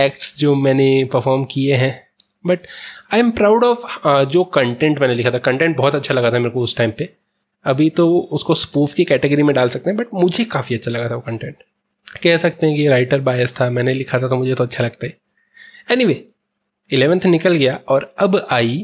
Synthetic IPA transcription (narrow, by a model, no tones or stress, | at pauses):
ɛːkʈsd͡ʒoːmɛːnepɐɾfɔːɾmkieɦɛ̃ː | bɐʈaːɪmpɾaːʊɖɔːfd͡ʒoːkɐ̃ɳʈɛ̃ɳʈmɛ̃ːnelɪkʰat̪ʰakɐ̃ɳʈɛ̃ːɳʈ̚bɔɦɔt̪ɐtːʃʰalɐɡat̪ʰameːɾekoʊsʈaːɪmpe | ɐbʱit̪oʊskospuːfkikɛːʈeɡəɾimẽɖaːlsɐk̚t̪ẽɦɛ̃bɐʈ̚mʊd͡ʒʱekaːfiɐtːʃʰalɐɡat̪ʰaʋokɐ̃ɳʈẽɳʈ | kɛɦsɐk̚t̪ẽɦɛ̃kiɾaːɪʈəɾbaːjəst̪ʰamɛ̃ːnelɪkʰat̪ʰat̪omʊd͡ʒʱet̪oɐtːʃʰalɐɡ̚t̪aɦɛ | ɛːniʋeː | ɪleːʋə̃nt̪ʰnɪkəlɡɐjaɔːɾɐbaːi